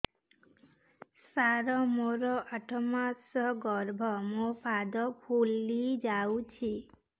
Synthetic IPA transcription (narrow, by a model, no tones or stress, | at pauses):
saɾɔmoɾɔʔaʈʰɔmasɔɡɔɾbʱɔmopʰad̪ɔpʰulːid͡ʒawt͡ʃʰi